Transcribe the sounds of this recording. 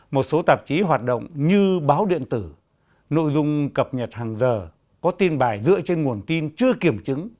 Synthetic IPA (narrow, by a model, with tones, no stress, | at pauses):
mo˨˩t̚so˨˦t̪a˨˩p̚t͡ɕi˨˦ɦwaː˨˩t̚ɗo̰˧˨wŋ͡mɲɨ˧ɓaː˨˦wɗḭ˧˨ənt̪ɨ˧˩ | no̰˧˨jzʊ˧ŋ͡mkə˨˩p̚ɲə˨˩t̚haː˨˩ŋzəː˨˩ | kɔ˨˦t̪i˧nɓaː˨˩jzɨ̰˧˨ət͡ɕe˧nŋu˨˩ənt̪i˧nt͡ɕɨ˧əki˨˧˩əmt͡ɕɨ˨˦ŋ